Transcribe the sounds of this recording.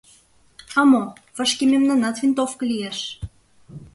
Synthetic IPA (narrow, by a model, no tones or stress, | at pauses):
ɑmovə̆ʃkimemnɑnɑt̪vint̪ofkə̆lijeʃ